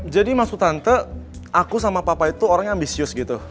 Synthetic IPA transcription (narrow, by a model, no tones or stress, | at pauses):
d͡ʒadimasut̪ant̪əakusamapapait̪uoɾaŋjambisiʊsɡit̪u